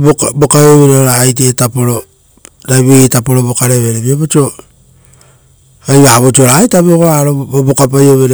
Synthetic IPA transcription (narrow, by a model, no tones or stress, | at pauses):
bobokajoβeɾaoɾaːjt̬eːtapoɾo̞ | ɾajβiitapoɾobokaɾeβeɾeβioβot͡ʃio | ajβaβot͡ʃioɾajtaβeokoɾaɾoobokap̬ajoβeɾ